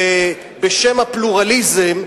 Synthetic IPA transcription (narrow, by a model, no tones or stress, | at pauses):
beʃemapluʁalizem